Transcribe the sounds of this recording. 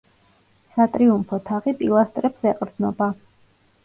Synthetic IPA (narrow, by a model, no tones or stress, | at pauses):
sat̪ʼɾiumpʰɔt̪ʰaʁipʼilˠast̪ʼɾɛpsɛqʼɾd̪znɔba